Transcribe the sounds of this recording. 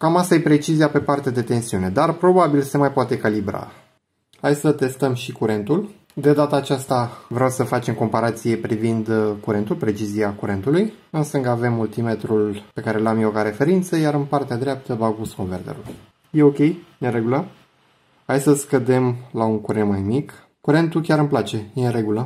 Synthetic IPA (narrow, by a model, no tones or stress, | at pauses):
kamasajepɾe̞t͡ʃiziape̞part̪ead̪e̞t̪e̞nsiune̞d̪arpɾo̞babilse̞majpoat̪e̞ːkalibɾa̰ | hajsət̪e̞st̪əmʃikuɾe̞nt̪ul | d̪e̞d̪at̪aːt͡ʃast̪avɾeawsəfat͡ʃe̞mko̞mpaɾat̪sije̞pɾivind̪kuɾe̞nt̪ulpɾe̞t͡ʃiziakuɾe̞nt̪ulujɨnst̪ɨŋɡave̞mːult̪ime̞t̪ɾulpe̞kaɾe̞lamjewkaɾe̞fe̞ɾint̪səjaɾɨnpart̪ead̪ɾeap̚t̪əbavuskonvert̪ḛɾṵl | je̞o̞kʲe̞jjenre̞ɡulə | hajsəskəd̪e̞mlauŋkuɾenmajmik | kuɾe̞nt̪ukʲaɾɨmplat͡ʃe̞jeɾe̞ɡulə